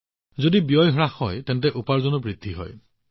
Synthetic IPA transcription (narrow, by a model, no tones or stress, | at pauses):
zodibijɔjɦɔɹaxːɔjtɛnt̬ɛʔupaɹzonubɹidʱːiɦɔ̰j